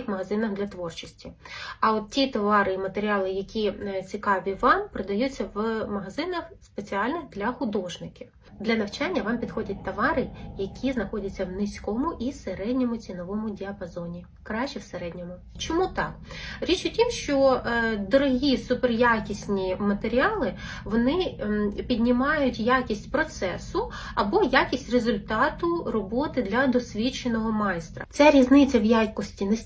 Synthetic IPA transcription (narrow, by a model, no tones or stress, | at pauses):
xmɐɦɐzɪnɐɣd̪lʲɐt̪ʋɔrt͡ʃisʲtʲiɐɔt̪̚tʲit̪ɐʋɑɾɪmɐt̪eɾʲiɑlˠɪjɐkʲʰit͡sʲikɑʋʲiʋɑmpɾɪd̪ɐjut͡sʲːɐʋmɐɦɐzɪnɐxspet͡sʲiɑlʲnɪxd̪lʲɐxʊd̪ɔʒnɪkʲiw | d̪lʲɐnɐwt͡ʃɑnʲːɐʋɑmpʲid̪xɔdʲɐt̚ʲt̪ɐʋɑɾɪjɐkʲʰiznɐxɔdʲɐt͡sʲːɐwnɪsʲkɔmʊʔiseɾɛdʲnʲɔmʊt͡sʲinɔʋɔmʊdʲiɐpɐzɔnʲi | kɾɑʃt͡ʃːɛwseɾɛdʲnʲɔmʊ | t͡ʃɔmut̪ɑkɾʲit͡ʃʊtʲimʃt͡ʃɔd̪ɔɾɔɦʲisʊperjakʲisʲnʲimɐt̪eɾʲiɑlˠɪ | ʋɔnɪpʲid̪ʲnʲɪmɑjʊtʲjakʲisʲtʲpɾɔt̪sɛsʊ | ɐbɔjakʲisʲtʲrezʊlʲt̪ɑt̪ʊrɔbɔt̪ɪd̪lʲɐd̪ɔsʲʋʲit͡ʃenɔɦɔmɑjst̪ɾɐ̰t̪sɛɾʲiznɪt͡sʲːɐwjajkɔsʲtʲinɛ